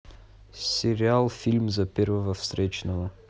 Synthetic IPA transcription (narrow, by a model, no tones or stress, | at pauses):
sɛɾialˠfilʲmzɐpɛɾvəvɐfst̪ɾɛt͡ʃnɐvo